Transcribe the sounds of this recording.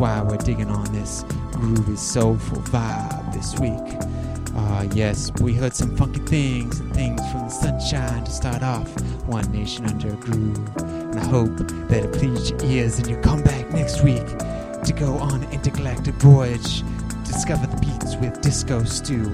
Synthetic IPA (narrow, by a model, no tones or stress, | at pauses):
waɪwɪɹdɪɡɪ̃ŋə̃nðɪs | ɡ̥ɹʉpɨz̥soʊfə̰l̩ˠvaɪðɪswik | ʔʌjɛswiɦɜ˞d̥sʌ̃ɱfʌ̃ŋkɪ̃ŋθɪ̃ŋzɨ̃nθɪ̃ŋz̥fɹʌ̃mðəsʌ̃nʃãɪ̃ntʰɨstɑɹɾɔfwʌ̃nːeɪʃɨ̃nʌ̃ndə˞ɨɡɹʉ | ɨ̃naɪɦoʊp̚ | ðɨɾɨpʰl̥izd͡ʒə˞ʔɪɹzɨ̃njɨkʰʌ̃mbæk̚nɛkst̚wik | tʰɨɡoʊʔə̃nɪ̃ntɨkʰəlɛk̚tɨdvɔɪɨd̥d͡ʒ | d̥ɨskʌvə˞ðəbitnzwɪðdɪskoʊstʰʉ